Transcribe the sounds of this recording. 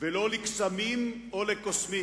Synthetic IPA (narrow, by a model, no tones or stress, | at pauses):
veloliksamim | olekosmi